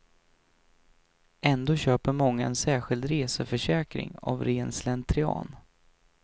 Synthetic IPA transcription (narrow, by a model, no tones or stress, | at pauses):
ʔɛnd̪oːɕøːpəɾmɔŋːaɛnsæːɧɪld̪ɾeːsəfœʂɛːkɾɪ̰ŋa̰vɾeːnslɛnt̪ʰɾɪɑ̰ːn